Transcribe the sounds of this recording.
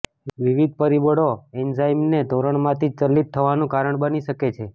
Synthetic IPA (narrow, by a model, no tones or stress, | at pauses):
ʋiʋid̪̚pəɾibəɽoɛnzaimned̪ʱoɾəɳmãt̪ʰid͡ʒt͡ʃəlːit̪ʰːəʋanũkaɾəɳbəniʃəket͡ʃʰe